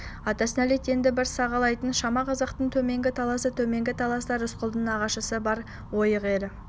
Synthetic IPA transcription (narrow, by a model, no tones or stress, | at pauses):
ɑt̪ɑsənælet̪e̞nd̪ɪbɪɾsɑʁɑlˠɑjt̪ənʃɑmɑqʰɑzɑqt̪əɴt̪ʰɵme̞ŋɡʲɪt̪ʰɑlˠɑsət̪ʰɵme̞ŋɡʲɪt̪ʰɑlˠɑst̪ɑɾʏsqəlˠd̪əɴɑʁɑʃəsəbɑɾ | wo̞jəʁe̞ɾɪ